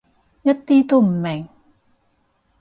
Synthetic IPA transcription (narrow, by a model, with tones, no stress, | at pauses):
ja˦˥t̪ːiː˧˥t̪u˧˩m˨mɛ˨˩˦ŋ